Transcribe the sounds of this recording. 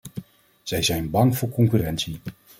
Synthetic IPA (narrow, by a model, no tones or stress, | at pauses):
z̥ɛjzɛjnbɑŋvʊːɹkɔŋkyːrɛntsi